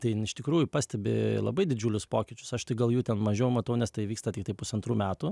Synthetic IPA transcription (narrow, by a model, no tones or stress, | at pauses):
t̪ɐɪɪʃʲt̪ʲɪkɾuːjʊpɑːsʲt̪ʲɛbʲɪ̰lˠɐ̰bɐɪd̪ʲɪd͡ʒʲuːlʲʊspoːkʲɪt͡ʃʲʊ̥sɐʃt̪ɪɡɐlˠjuːt̪ʲɛnmɐʒʲeɛjɛʊmɐt̪ɐʊnʲɛst̪ɐɪʋʲiːkst̪ɐt̪ʲɪk̚t̪ɐɪpʊsɐnt̪ɾuːmʲæːt̪u